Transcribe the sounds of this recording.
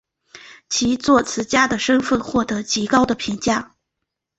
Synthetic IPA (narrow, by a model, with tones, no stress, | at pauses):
t͡ɕʰi˧˥t͡swɔ˥˩t͡sʰɹ̩˧˥t͡ɕja˥d̪ə˨ʂɤ˥ŋfə˥˧nxwɔ˥˩t̪ɤ˧˥t͡ɕi˧˥kɑ˥ʊd̪ə˨pʰi˧˥ŋt͡ɕja˥˩